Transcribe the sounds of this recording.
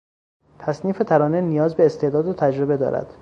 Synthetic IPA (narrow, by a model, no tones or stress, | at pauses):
t̪ʰæsniːfet̪ʰæɾɒːnenijɒːzbe̞ːst̪e̞ʔd̪ɒːd̪ot̪ʰæd͡ʒɾe̞be̞d̪ɒ̰ːɾæ̰d̪̥